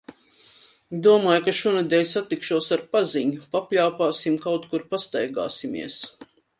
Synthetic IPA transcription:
d̪uɔmaːjukaʃuɔnɛd̪ɛːlʲsat̪ikʃuɔsaɾpaziɲupapʲlʲawpaːsimkawt̪kuɾpast̪ajɡa̰ːsimḭɛs

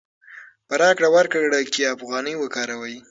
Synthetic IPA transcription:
pəɾɑkɽawaɾkəɽakiafɣɑnəjwəkɑɾawaji

